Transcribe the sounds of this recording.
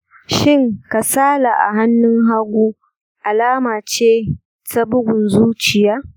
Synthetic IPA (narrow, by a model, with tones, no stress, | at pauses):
ʃɪ˦ŋka˨saː˦la˨ʔa̰˨ɦa˦nːʊ˦ŋɦa˦ɡʷuː˦ | ʔa˨laː˦maː˨t͡ʃeː˦ | ta˦bʊ˦ɡʷʊ˨nzuː˦t͡ʃɪ˨jaː˦